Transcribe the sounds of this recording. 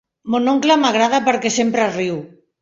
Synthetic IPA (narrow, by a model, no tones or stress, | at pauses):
monoŋklamaɣ̞ɾaðapəɾkesempɾariw